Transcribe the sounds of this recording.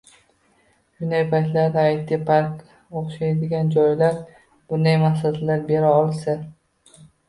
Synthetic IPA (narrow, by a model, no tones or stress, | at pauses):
ʃʊnd̪ajpʰajt̪laɾd̪ɪajt̪ːɪpʰaɾk | oχʃajd̪ɪɡʲand͡ʒɒjlaɾ | b̥ʊnd̪ajmahsat̪laɾbe̞ɾaɒlˠsa